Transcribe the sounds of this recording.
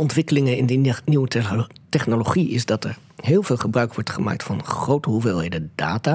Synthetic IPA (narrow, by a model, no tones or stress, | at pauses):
ɔntʋɪkəlɪŋəɪndəniwətɛχnoloχiɪ̰sdɑtɛɹ | ɦɪːlˠvɪːlˠχəbrœɥkʋɔɹtχəma̰ːk̚tfɑnχrowtəɦuvɪːlˠɦejdəd̥a̰ːtaː